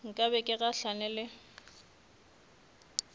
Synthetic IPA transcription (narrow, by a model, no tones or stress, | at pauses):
ŋ̩kʼabɛkʼɪɣaɬanɛlɪ